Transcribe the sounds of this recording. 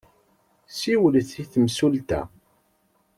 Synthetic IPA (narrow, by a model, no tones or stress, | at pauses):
siwəlθiθəmsult̪æ̰